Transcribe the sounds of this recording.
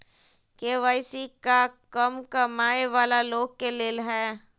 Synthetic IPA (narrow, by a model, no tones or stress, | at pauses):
keʋaːɪsikakəmkamaːeʋaːlaloːɡ̚keleːlɦɛː